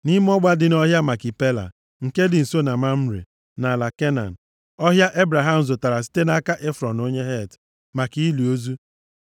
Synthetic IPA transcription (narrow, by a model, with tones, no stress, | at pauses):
ni˦m˦ɔ˦ɡ͡ba˦dɪ˨n˦ɔ˦ɦja˦ma˨kɪ˨pe˦la̰˨ | ŋ̩˨ke˦dɪ˨n̩˨so˦na˨ma˦m̩˦ɾḛ˨ | na˨la˨ke˦na̰˨n̩˨ | ɔ˦ɦja˦ʔe˦bɾa˨ɦa˦m̩˨zo˨ta˨ɾa˨s̬i̥˦te˦na˦ka˦ʔe˦fɾɔ˨no˦ɲe˦ɦe˦˨t | ma˨ki˨i˦li˨o˦zu˦